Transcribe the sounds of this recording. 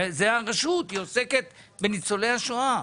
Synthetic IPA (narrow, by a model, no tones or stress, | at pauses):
zeaʁeʃut̪ioseke̞t̪ | benit͡solejhaʃoa